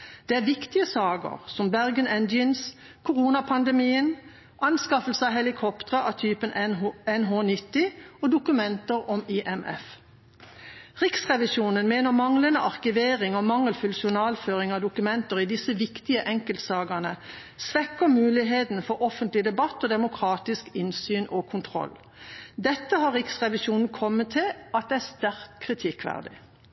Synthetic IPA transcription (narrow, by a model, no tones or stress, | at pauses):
d̪̥eːæːʋɪkt̪ɪəsɑːɡə̰ʁsɔmbæʁɡənɛnd̪jəns | kʰʊʁuːnɑpʰɑnd̪ɛmiːən | ʔɑnskɑfəl̩səɑɦɛlɪkʰɔpt̪əʁəʔɑt̪ʰyːpənɛnɦoːnɪt̪ːɪɔd̪ʊkʉmɛnt̪əʁɔmiʔɛmʔɛ̰f | ʁɪksʁɛʋɪʃuːnənmeːnəʁmɑŋlənəʔɑʁkɪʋeːʁɪŋɔmɑŋːəlfʉlsʊnɑːlføːʁɪŋɑd̪ʊkʉmɛnt̪əʁid̪ɪsəʋɪkt̪ɪəʔɛŋkəlt̪sɑːɡənə | sʋɛkːəmʉːlɪɦeːt̪n̩fɔʁʔɔfənt̪lɪd̪ɛbɑt̪ːɔd̪ɛmʊkʰʁɑːt̪ɪskɪnsyːnʔɔkʰʊnt̪ʰʁɔ̰l | d̪ɛt̪ːəhɑʁʁɪksʁɛʋɪʃuːnn̩kʰɔmːət̪ʰːɪlʔɑt̪̚d̪ɛæst̪æʁkt̪kʰːʁɪt̪ʰɪkʰʋæ̰ʁd̪ɪ̰